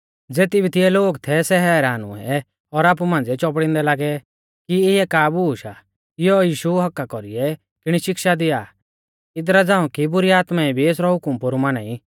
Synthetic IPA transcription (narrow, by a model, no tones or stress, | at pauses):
d͡zeːt̪ibʱit̪ɪɛloːɡt̪ʰɛsɛɦɛːɾaːnṵɛ̰ | ɔɾaːp̬umãːn̆d͡zɛt͡ʃɔp̬ɽɪ̃nd̪ɛlaːɡɛ | kiɪɛkaːbuːʃa | ɪjɔjiːʃuɦɐkːakɔɾiɛ | kɪɽ̃iʃɪkʃad̪ɪjaː | ɪd̪ɾad͡zãːũkibʊɾiaːt̪maibʱieːsɾɔɦʊkʊmpʊɾumaːnaːi